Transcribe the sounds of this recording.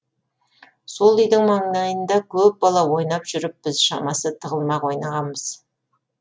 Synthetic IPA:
solˠʏjd̪ɪŋmɑɴnɑjənd̪ɑkʲʰɵp̚bɑlˠɑwo̞jnɑpʒ̥ʏɾɪp̚b̥ɪzʃɑ̰mɑsət̪ʰəʁəlˠmɑqwo̞jnɑʁɑnbəz̥

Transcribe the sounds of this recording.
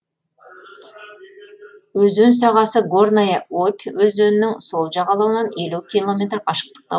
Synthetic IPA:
ɵzøns̬ɑʁɑsəɡornajaopʲwɵzɵnɪnɪŋso̞lˠʒɑʁɑlˠɑwənɑne̞lukʲilˠo̞mʲe̞t̪rqʰɑʃə̥q̚t̪ə̥q̚t̪ɑ

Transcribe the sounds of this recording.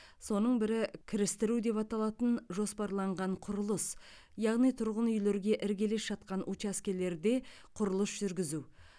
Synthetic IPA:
so̞nəɴbɪɾɪkʲʰɪɾɪst̪ɪɾud̪e̞pɑt̪ɑlˠɑt̪ənʒo̞spɑɾlˠɑɴʁɑɴqʰʊɾəlˠəs | jɑʁnijt̪ʰʊɾʁənʏjle̞ɾɡʲe̞ʔɪɾɡʲe̞lesʒ̥ɑt̪̚qɑnʔut͡ʃaskʲele̞ɾd̪e̞ | qʰʊɾʊlˠəsʒ̥ʏɾɡʲɪzuw

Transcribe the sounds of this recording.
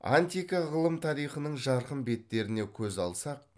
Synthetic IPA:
a̰nt̪ijkɑʁəlˠəmt̪ʰɑɾijχənəɴʒɑɾqəmbe̞t̪ːe̞ɾɪne̞kʲʰɵzɑlˠsɑq̚

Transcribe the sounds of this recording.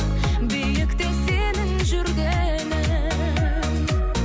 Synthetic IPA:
bejlɪkt̪esenɪŋʒʏɾɡ̪ʲe | nɪ

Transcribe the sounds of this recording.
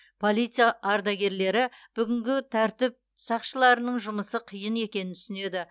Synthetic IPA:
pʰo̞lˠijt̪sɨjaʔɑɾd̪ɑɡʲe̞ɾle̞ɾɪb̥ʏɡʲɪŋɡʲɪt̪ʰæɾt̪ɪp̚ | sɑqʃəlˠɑɾənəɴʒʊməsəqʰijəne̞kʲe̞nɪnt̪ʰʏ̥sɪne̞d̪ɪ

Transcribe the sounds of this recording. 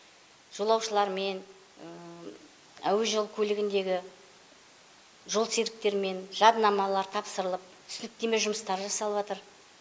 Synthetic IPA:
ʒ̥o̞lˠɑwʃəlˠɑɾme̞n | ə | æwe̞ʒəlˠkʲʰɵlɪɡʲɪnd̪e̞ɡʲɪ | ʒo̞lˠseɾɪk̚t̪e̞ɾme̞nʒɑd̪nɑmɑlˠɑɾt̪ʰɑpsəɾəlˠəp̚tt̪ʰʏsɪnɪk̚t̪e̞me̞ʒʊməst̪ɑɾʒɑsɑlˠəβɑt̪əɾ

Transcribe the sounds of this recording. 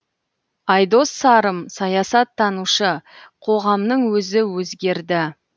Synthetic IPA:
ɑjd̪o̞sːɑɾəmsɑjɑsɑt̪ʰːɑnuʃəqʰo̞ʁɑmnəɴwɵzɪwɵzɡʲe̞ɾd̪ɪ

